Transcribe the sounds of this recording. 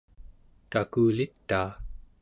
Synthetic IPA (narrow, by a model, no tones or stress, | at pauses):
t̪akuːlit̪ːaː